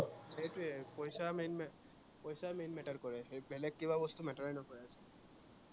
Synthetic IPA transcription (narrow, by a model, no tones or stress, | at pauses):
ejtʊɛpɔjsamenmɛ | pɔjsamenmɛʈaɹkɔɹɛbɛlɛkːibabɔst̪umɛʈaɹɛnɔkɔɹɛasɛ